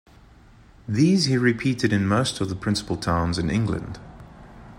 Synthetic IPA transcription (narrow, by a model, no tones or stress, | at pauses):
ðiːzhiɹɪpʰiˑtɪɾɪ̃nməʊstəvðəpʰɹ̥ɪ̃nsə̥pəlˠtʰãʊ̃nzɪ̃nɪ̰̃ŋɡlə̰̃nd̥